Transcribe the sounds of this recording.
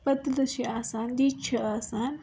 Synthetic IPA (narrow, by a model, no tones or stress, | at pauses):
pɐt̪ləʃiaːsaːnd̪iːt͡ʃʰɐaːsaːn